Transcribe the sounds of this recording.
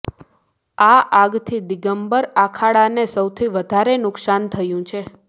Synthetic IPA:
aʔaɡt̪ʰid̪iɡəmbəɾakʰaɽanesəwt̪ʰiʋəd̪ʱaɾenʊksant̪ʰəjũt͡ʃʰe

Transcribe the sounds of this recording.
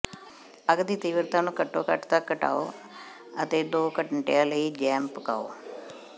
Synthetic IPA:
əɡd̪iːt̪iːʋəɾt̪aːnũːkəʈːoːkəʈt̪akːəʈa̰ːo̰ː | ət̪eːd̪oːkəʈəɳʈejãːləiːd͡ʒɛːmpka̰ːo̰ː

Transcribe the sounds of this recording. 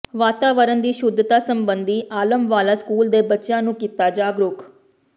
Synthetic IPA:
ʋaːt̪aːʋəɾənd̪iːʃʊd̪ʱːt̪aːsəmbənd̪iːʔaːləmʋaːlaːskuːld̪eːbətːʃjãːnũːkiːt̪aːd͡ʒaːɡɾʊk

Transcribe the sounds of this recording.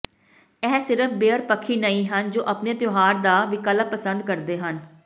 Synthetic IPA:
ɛːsɪɾəpʰbeːəɾpəkʰːiːnəĩːɦənd͡ʒoːʔəpnẽːt̪joːɦaːɾd̪aːʋɪkələk̚pəsə̃nd̪kəɾd̪eːɦən

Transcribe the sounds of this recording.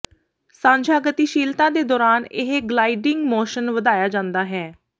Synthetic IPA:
sãːɲd͡ʒaːɡət̪iːʃiːlt̪ãːd̪eːd̪ɔːɾaːnɪɦɡlaːiɖɪŋɡmoːʃənʋəd̪aːjaːd͡ʒãːnd̪aːɦɛː

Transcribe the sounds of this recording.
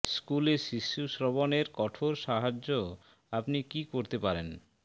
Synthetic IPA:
skuleʃiʃːuʃɾoboneɾkɔʈʰoɾʃaɦad͡ʑːo | apnikikoɾt̪epaɾen

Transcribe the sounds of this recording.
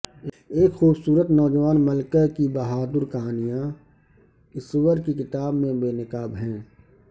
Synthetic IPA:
eːkxuːbsuːɾət̪nɔːd͡ʒəʋaːnmɐlkakibɐɦaːd̪ʊɾkɐɦaːnijã | ɪswəɾkikɪt̪aːbmẽbeːnɪkaːbɦɛ̃ː

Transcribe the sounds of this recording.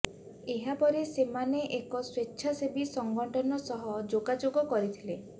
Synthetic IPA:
eɦapɔɾesemaneʔekɔswetːʃʰasebisɔŋɡɔɳʈɔnɔsɔɦɔd͡ʒoɡad͡ʒoɡɔkɔɾit̪ʰile

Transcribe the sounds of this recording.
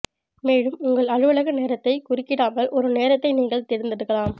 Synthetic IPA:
meːɻɯmʊŋɡɐɭɐɻɯʋɐɭɐɣɯneːɾɐt̪ːɐɪkʊrɪkːɪɽaːmɐlʔɔɾɯneːɾɐt̪ːɐɪniːŋɡɐɭt̪ɛɾɯnd̪ɐðɯɣɐɭaːm

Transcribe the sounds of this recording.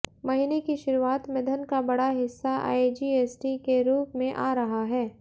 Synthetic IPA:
mɐɦɪnekiʃʊɾuaːt̪mɪd̪ʱənkabɐɽaɦɪsːaʔa̰ːid͡ʒiːeːsʈikeɾuːpmẽʔaːɾɐɦaɦɛː

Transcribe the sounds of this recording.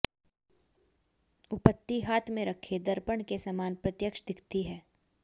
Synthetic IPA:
ʊpət̪ːiɦaːt̪ʰmẽɾɐkʰed̪əɾpəɳkesɐmaːnpɾɐt̪jəkʃd̪ɪkt̪iɦɛː

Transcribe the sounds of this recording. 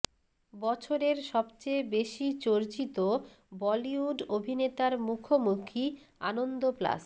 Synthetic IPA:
bɔt͡ɕʰoɾeɾʃɔbt͡ɕejbeʃit͡ɕoɾt͡ɕit̪o | bɔliuɖobʱinet̪aɾmukʰomukʰi | a̰nond̪opla̰s

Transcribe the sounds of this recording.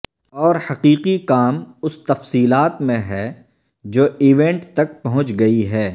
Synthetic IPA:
ɔːɾhɐqiːqikaːmʊst̪ɐfsiːlaːt̪mẽɦɛː | d͡ʒoːiʋɛ̃ɳʈt̪ɐk̚pɐɦʊ̃t͡ʃɡɐiɦɛː

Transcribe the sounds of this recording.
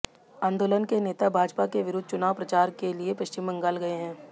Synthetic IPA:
ãːnd̪oːlənkeneːt̪abʱaːd͡ʒpakeʋɪɾʊd̪̚ʱt͡ʃʊnaːʋpɾɐt͡ʃaːɾkeliepɐʃt͡ʃɪmːə̃ŋɡaːlɡɐeɦɛ̃ː

